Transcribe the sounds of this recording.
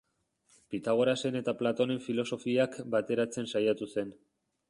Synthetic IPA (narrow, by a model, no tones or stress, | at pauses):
pit̪aɣ̞o̞ɾase̞ne̞t̪aplat̪o̞ne̞ɱfilo̞so̞fiakbat̪e̞ɾat͡se̞nsajat̪use̞n